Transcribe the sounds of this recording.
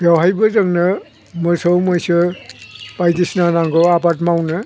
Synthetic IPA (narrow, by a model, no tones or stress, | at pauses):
ɡawɦajbɯzaŋnɯ | mɯsɔwmɔjsɯ | b̥ajdisnanaŋɡɔapatmawnɯ